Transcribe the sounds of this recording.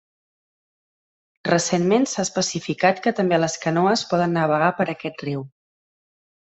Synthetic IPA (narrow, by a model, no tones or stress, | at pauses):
rəsenmensaəspəsifikat̪kət̪əmbeləskənoəspɔðənːəβ̞əɣ̞apəɾəkɛt̪̚riw